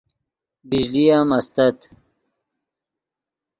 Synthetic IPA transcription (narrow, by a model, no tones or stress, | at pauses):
biʑlijamɐst̪ɐt̪